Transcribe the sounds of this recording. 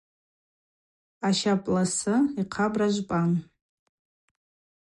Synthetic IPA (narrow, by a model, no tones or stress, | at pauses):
aʃapʼlasɨiqʰabraʒʷpʼan